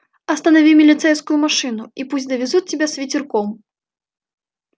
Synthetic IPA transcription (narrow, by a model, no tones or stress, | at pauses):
ɐst̪ɐnavʲimʲilʲit̪sɛjskʊjumaʂɨnuipusʲd̪ɐvʲɛzut͡sʲːɛbʲɛsvʲit͡sʲirkɔm